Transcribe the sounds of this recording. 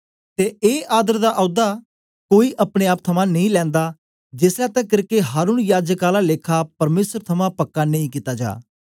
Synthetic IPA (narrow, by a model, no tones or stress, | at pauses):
t̪eːeːʔaːd̪əɾd̪aːʔɔːd̪aː | koːiːʔəpɽ̃eːaːp̚t̪ʰəmãːnəĩːlɛ̃ːnd̪aː | d͡ʒɪslɛːt̪ɛ̃kɪɾkeɦaːɾuːnjaːd͡ʒəkaːlaːleːkʰaːpəɾmeːsəɾt̪ʰəmãːpəkːaːnəĩːkit̪aːd͡ʒa̰ː